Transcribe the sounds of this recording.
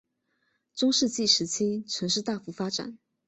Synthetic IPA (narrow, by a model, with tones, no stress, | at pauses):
t͡sʊ˥ŋʂɻ̩˥˧t͡ɕi˥˩ʂɻ̩˧˥t͡ɕʰi˥ʈ͡ʂʰə˧˥nʂɻ̩˥˧t̪a˥˩fu˧˥fa˥ʈ͡ʂa̰˨˩˦n